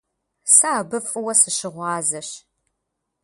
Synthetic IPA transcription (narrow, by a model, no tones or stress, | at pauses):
saːbɨfʼɨwɐsɨɕɪʁʷɑːzɐɕ